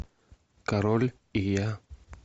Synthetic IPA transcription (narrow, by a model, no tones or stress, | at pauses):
kaɾol | ija